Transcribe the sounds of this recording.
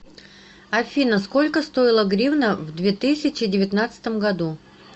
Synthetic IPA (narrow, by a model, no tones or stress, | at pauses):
ɐfʲinəsko̞lʲkəst̪o̞ɪlˠəɡɾʲivnəvd̪vʲet̪ɨsʲɪt͡ɕɪdʲɪvʲɪt̪nat̪sɨ̥t̪əmɡɐd̪u